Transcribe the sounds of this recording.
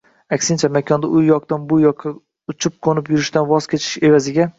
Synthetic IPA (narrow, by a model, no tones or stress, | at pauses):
akʲsɪnt͡ʃʰamakʲʰɒnd̪aʔʊjːɒqt̪anbʊjɒqʰːɑ | ʊt͡ʃʰʊp̚qʰonɪpjʊɾɪʃt̪anvɒz̥kʲʰe̞t͡ʃʰɪ̥ʃe̞vazɪɡʲa